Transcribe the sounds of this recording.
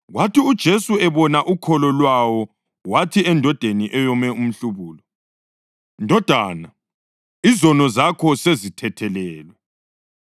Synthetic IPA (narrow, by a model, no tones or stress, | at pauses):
ɣwatʰiud̥ʒ̥ʱesuɛβɔnaʔukʰɔlɔlwawɔ | watʰiɛndʱɔd̥ʱeniʔɛjɔmɛum̩ɬuβuːlɔ | ndʱɔd̥ʱaːna | izɔnɔzakʰɔsezitʰɛtʰɛlɛːlwɛ